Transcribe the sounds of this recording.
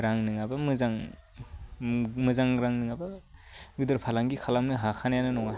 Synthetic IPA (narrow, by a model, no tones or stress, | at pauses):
ɾaŋnɯŋabamɯzaŋ | mɯzaŋɾaŋnɯŋabaɡɯdɯɾpʰalaŋɡikʰalamnɯɦakʰanajanɯnɔŋa